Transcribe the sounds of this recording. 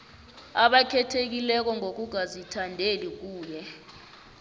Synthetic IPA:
aɓakʰɛtʰek̬ilɛk̬ɔŋok̬uɡ̥ʱazitʰandʱelik̬uːjɛ

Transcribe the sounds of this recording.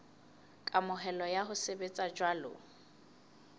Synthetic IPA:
kʼamʊɦɛlɔjaɦʊsebet͡sʼad͡ʒwalʊ̰

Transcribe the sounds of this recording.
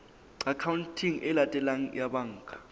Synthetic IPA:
akʰawntʰiŋʔɛlatʼɛlaŋ̩jaɓaŋːkʰʼḁ

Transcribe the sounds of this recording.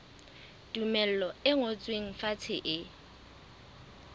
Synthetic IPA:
d̥ʼumɛl̩lɔɪŋot͡sʼweŋ̩fat͡sʰɪʔɪ

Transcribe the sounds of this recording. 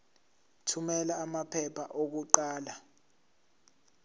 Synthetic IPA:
tʰumɛlaːmapʰɛpʰaʔok̬uǃaːla

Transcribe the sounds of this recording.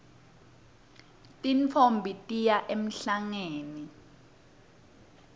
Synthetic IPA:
tʼint͡fʰombʱitʼijaʔem̩ɬaŋeːni

